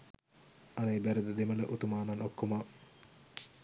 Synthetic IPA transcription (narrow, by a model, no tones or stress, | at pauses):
ɐnəebæɾed̪əd̪emələʔut̪umaːnanokːoma